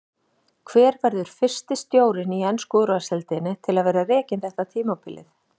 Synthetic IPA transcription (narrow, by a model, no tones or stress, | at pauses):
kʰvɛːɾvɛɾðʏɾ̥fɪr̥st̪ɪst̪joːwɾɪniɛnskɔːðɾʏasɛlt̪ɪnɪt̪ʰɪlaðvɛːɾarɛːcɪnθɛht̪at̪ʰiːmawpʰɪlʔɪ̰θ